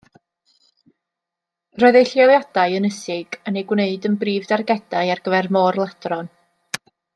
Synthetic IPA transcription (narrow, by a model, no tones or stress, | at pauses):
rɔɨðejɬjɔlˠjad̥aɨənəsɪɡ̥ənejɡwneɨdənbriːvdarɡɛd̥ajarɡəvɛrmɔrlˠad̥rɔn